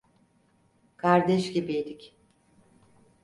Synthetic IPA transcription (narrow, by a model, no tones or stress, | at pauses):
kʰaɾd̪ɛʃɟibiid̪ic